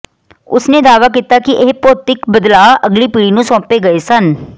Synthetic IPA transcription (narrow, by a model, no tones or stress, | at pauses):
ʊsneːd̪aːʋaːkiːt̪aːkɪʔeːpoːt̪ɪkbəd̪laːʔəɡliːpiːɽiːnũːsɔ̃ːpeːɡəeːsən